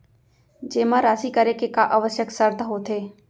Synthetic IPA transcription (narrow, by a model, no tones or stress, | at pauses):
d͡ʒeːmãɾaːsikəɾekekaʔəʋəsjəksəɾt̪əɦot̪ʰeː